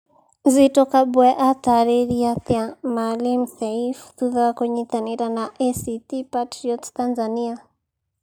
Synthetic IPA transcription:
zitɔkaɓwɛʔataɾɛɾiaθjamalim̩θɛifu̥θuðakwɛɲɛt̪anɛɾanaʔɛsitipatɾiɔttanzania

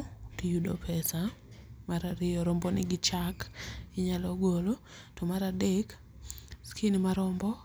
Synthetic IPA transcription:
tijudo̰pʰɛsamaɾaɾɪjɔɾɔmbɔnɪɡɪt͡ʃakɪɲalɔɡolo | tomaɾadek | skʰinimaɾɔmbɔ

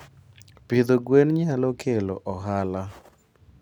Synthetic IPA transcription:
pɪd̪oɡwenɲalɔkʰelo̰ʔɔɦala

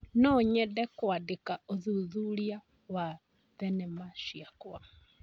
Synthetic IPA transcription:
nɔɲɛdɛkwadekaoðuðulia | wa | ðɛnɛmaʃiakwa

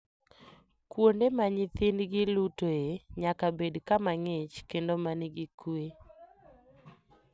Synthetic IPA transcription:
kwondemaɲɪt̪ɪnɡɪlutoeɲakabedkamaŋet͡ʃkendomanɪɡɪkwe

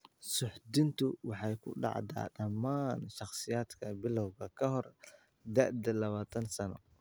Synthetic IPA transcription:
sʊħd̪ɪnt̪ʰʊwɑħɑjkʰʊ̰ɖɑ̰ʕd̪a̰ːɖɐmaːnʃɑχsɪjaːd̪kʰɐbɪlɐwɣɐkʰɐɦɔr | d̪ɐʔd̪ɐlɐβaːt̪ʰɐnsɐnɔ̰

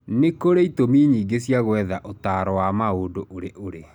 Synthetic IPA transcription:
nekoɾeitomiɲiːɡesjaɣwɛðaʔotaːɾɔwamaoːdoʔoɾeʔoɾe

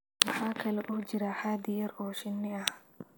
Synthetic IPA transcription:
mɑħaːkʰɐlɛʔʊːd͡ʒɪɾaħaːd̪ɪjɐɾʔɔːʃɪnːɪɐh

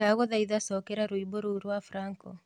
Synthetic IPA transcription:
aɣɔðaiðasɔkeɾaɾuiboɾuɾwafɾaŋkɔ̰

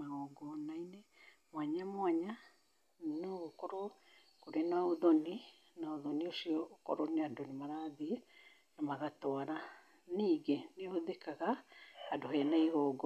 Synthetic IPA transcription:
maɣɔɡɔnainɛ | mwaɲamwaɲa | noɣokɔɾɔ | koɾenaoðoni | naoðoniosiɔːkɔ̰ɾɔneadonemaɾaðiɛ | namaɣatɔaɾa | niːɡeneoðekaɣaadohɛːnaiɣɔɡɔ

